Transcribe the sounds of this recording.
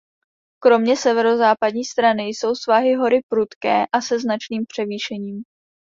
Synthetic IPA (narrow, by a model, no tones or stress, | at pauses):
kɾo̞mɲɛsɛvɛɾo̞zaːpadɲiːst̪ɾanɪjso̞wsvaɦɪɦo̞ɾɪpɾut̪kɛːʔasɛznat͡ʃniːmpr̥ɛviːʃɛɲiːm